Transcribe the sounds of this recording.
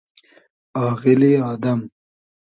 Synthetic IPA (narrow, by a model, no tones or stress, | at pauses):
ɑːɣɪliɑːd̪ɐm